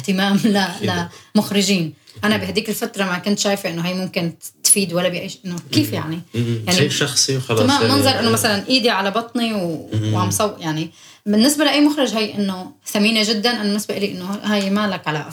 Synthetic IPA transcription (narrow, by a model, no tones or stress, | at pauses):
ɪht̪ɪmaːmlalamʊxɾɪʒiːnʔanabɪɦad̪iːkɪlfat̪ɾˤɑmakʊnt̪ʃaːjfʔɪnːoɦajːmʊmkɪnt̪fiːd̪walːabiʔajːʔɪnːokiːfja̰ʕnijaʕniʃɑxsˤiwxɑlmamɪnɣɑɾˤʔɪnːomasalanʔiːd̪iʕalabɑt̪ˤniwʕamsˤɑwːʔjaʕni | bɪnːɪsbalɪʔajːmʊxɾɑʒɦajʔɪnːoθamiːneʒɪd̪ːanʔanːnːɪsbaʔɪliʔɪnːohajmaːlakʕalaʔ